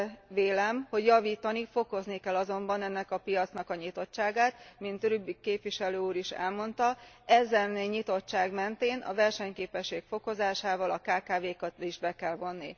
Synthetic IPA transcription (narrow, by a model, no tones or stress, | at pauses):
veːlɛmho̞ɟjɒviːt̪ɒnifo̞ko̞znikɛlːɒzo̞mbɒnɛnːɛkɒpijɒt̪snɒkɒɲit̪o̞t͡ʃt͡ʃːaːɡaːt̪mint̪rybikeːpʋiʃɛløːuːɾiʃɛ̰lmo̞nt̪ɒɛzɛnɲit̪o̞t͡ʃt͡ʃːaːɡmɛnt̪eːnʔɒ̰vɛrʃɛɲkeːpɛʃːeːkfo̞ko̞zaːʃaːvɒlɒkaːkaːveːkɒt̪iʒbɛkɛlvo̞nːi